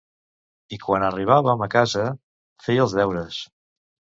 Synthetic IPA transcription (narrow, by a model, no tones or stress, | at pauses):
ikwanəriβ̞aβəməkazə | fejəlˠzðɛwɾəs